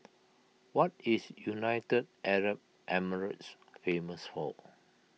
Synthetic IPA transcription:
wɔtisjunaɪtəd̚ʔɛɹəp̚ | ʔɛməɹə̰ts | fẽməsfɔ

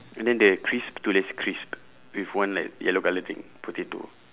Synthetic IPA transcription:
ɛ̃ndɛ̃ndəkʰɹisptulɛskʰɹisp | wifwãnlajɛloɡalədḭ̃ŋputitṵ

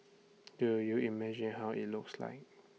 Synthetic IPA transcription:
d̥ujuimɛd͡ʒĩnɦaʊʔḭt̚lʊksla̰ɪk̚

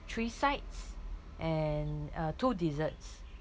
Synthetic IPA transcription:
tʰɹiːsaɪts | ʔɛnatudizəts

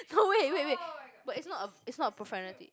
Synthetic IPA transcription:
nowewewebʌtɪtsnɔtəɪtsnɔtəpɹɔfɛnitḭ

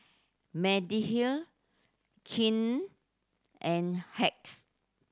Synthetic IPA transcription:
mɛdihil | kʰĩn | ʔɛ̃nhɛk̚s

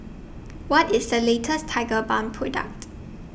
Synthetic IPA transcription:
wɔtɪsdəletʰəstʰaɪɡəbãnpʰɹɔdə̰k̚t

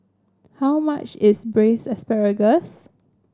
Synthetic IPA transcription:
hawma̰t͡ʃɪsbɹesɛspɛɹəɡəs

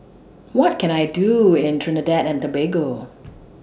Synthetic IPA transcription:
wʌt̚kʰɨ̃ñaɪduɪ̃ntʰɹ̥ɨnɨdɛɾɨ̃ntəbeɡoʊ

